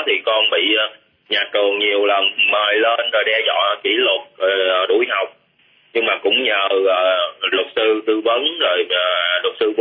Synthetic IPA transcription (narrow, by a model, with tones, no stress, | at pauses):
t̪ʰi˨˩kɔ˧nɓḭ˧˨˧ | ɲaː˨˩t͡ɕɨ˨˩əŋɲi˨˩əwlə˨˩nməː˨˩jleː˧nzo˨˩jɗɛ˧zɔ̰˧˨ki˧˩lə˨˩t̚ːɗṵ˧˩˦jɦa˨˩wk͡p̚ | ɲɨ˧ŋŋ͡mmaː˨˩kʊ̰˧˥ŋ͡mɲəː˨˩əː˨˩lwə˨˩t̚sɨ˧t̪ɨ˧və˨˦nzo˨˩jːlə˨˩t̚sɨ˧v